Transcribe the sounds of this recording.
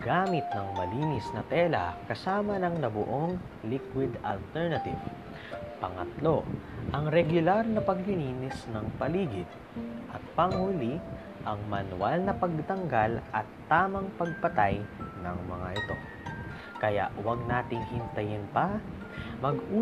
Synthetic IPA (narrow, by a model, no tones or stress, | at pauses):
ɡ̥aːmɪt̪̚nɐŋmɐliːnɪsnɐt̪ɛːlɐ̰kɐsaːmɐnɐŋnɐbʊʔo̞ŋ | likwɪd̪ɐ̰lt̪ɛɹnɐt̪ɪv | pɐŋɐ̰t̪lo̞ʔɐŋɾɛɡʊlaɾnɐpɐɡlɪliːnɪsnɐŋpɐliːɡɪd̪̚ | ʔɐt̪̚pɐŋhʊli | ʔɐŋmɐnʊwalnɐpɐɡ̚t̪ɐŋɡalʔɐt̪ːaːmɐŋpɐɡ̚pɐt̪ajnɐŋmɐ̰ŋa̰ʔɪt̪o̞̰ | kɐja̰ʔwɐɡ̚naːt̪ɪŋhɪnt̪ɐjɪnpɐ | mɐɡʔuː